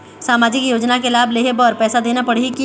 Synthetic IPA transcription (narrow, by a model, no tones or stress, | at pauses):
saːmaːd͡ʒɪkjoːd͡ʒnakelaːbleːɦebɔːɾpɛːsad̪eːnapɐɽ̤eki